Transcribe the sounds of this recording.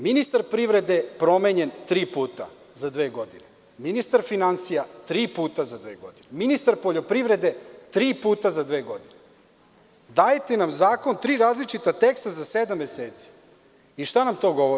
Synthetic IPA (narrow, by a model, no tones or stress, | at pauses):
minist̪aɾpɾiʋɾe̞d̪e̞pɾo̞meːɲe̞nt̪ɾiːpuːt̪a̰ | zad̪ʋe̞ːɡo̞d̪ine | minist̪aɾfinansijat̪ɾiːpuːt̪azad̪ʋeːɡo̞d̪ineminist̪aɾpo̞ʎo̞pɾiʋɾe̞d̪e̞t̪ɾiːpuːt̪azad̪ʋe̞ːɡo̞d̪ine | d̪ajet̪enamzaːko̞nt̪ɾiːɾaːzlit͡ʃit̪at̪ekst̪azased̪amːeseːt̪si̥ | iʃt̪anamt̪o̞ɡo̞ʋoɾi